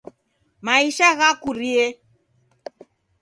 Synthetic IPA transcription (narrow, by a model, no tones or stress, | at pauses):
maiʃaɣakuɾiɛ